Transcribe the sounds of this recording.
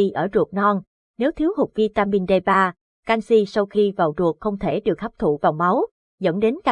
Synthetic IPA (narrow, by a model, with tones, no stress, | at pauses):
i˧ʔəː˧˩zu˨˩ək̚nɔ˧n | ne˨˦wt̪ʰi˨˦əwɦʊ˨˩k͡p̚vi˧t̪aː˧mi˧nɗe˧jɓaː˧ | kaː˧nsi˧sa˧wxi˧vaː˨˩wzu˨˩ək̚xə˧wŋ͡mt̪ʰe˧˩ɗɨ˨˩ək̚ha˦˥p̚t̪ʰṵ˧˨vaː˨˩wma˨˦w | zə̰˧˥nɗe˨˦nka˧